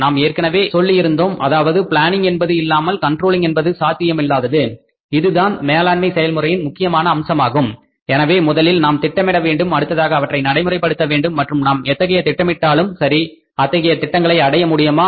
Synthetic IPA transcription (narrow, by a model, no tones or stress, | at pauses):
naːmeːrkɐnɐʋeːsɔlːɪjɪɾɯnd̪oːmʔɐðaːʋɐðɯpɪɭaːnɪŋɡɛnbɐðɯɪlːaːmɐlkɐɳʈroːlɪŋɡɛnbɐðɯsaːt̪ːɪjɐmɪlːaːðɐðɯ | ɪðɯðaːnmeːlaːnmɐɪsɛjɐlmɯrɐjɪnmʊkːɪjɐmaːnɐːmsɐmaːɣɯm | ɛnɐʋeːmʊðɐlɪlnaːmt̪ɪʈːɐmɪɽɐʋeːɳɖɯmɐɽɯt̪ːɐðaːɣɐːʋɐʈːrɐɪnɐɽɐɪmɯrɐɪpːɐɽɯt̪ːɐʋeːɳɖɯmːɐʈrɯmnaːmɛt̪ːɐɣɐjɐt̪ɪʈːɐmɪʈːaːlɯmsɐɾi | ɐt̪ːɐɣɐjɐt̪ɪʈːɐŋɡɐɭɐɪɐɽɐjɐmʊɽɪjɐmaː